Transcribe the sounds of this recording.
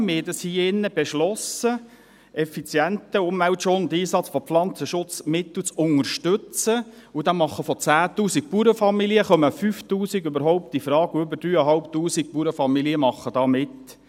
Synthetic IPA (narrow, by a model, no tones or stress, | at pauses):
mɪdəshiːɪnːəb̥eʃlɔsə | ɛfit͡sjɛntəʊmvæwtʃoːnd̪iːsɑt͡sfɔflɑnt͡səʃʊt͡smɪt̪l̩t͡sʊŋəɾʃtʏt͡sə | udɑmɑχəfɔt͡sæːtuːsik̚puɾəfɑmiliəχœməfyftuːsiɡøbəɾɦɔʊp̚tifɾɑːɡuʏbəɾd̥ɾyːəɦɑlp̚tuːsik̚puɾəfɑmiliəmɑχːəd̥ɑːmɪt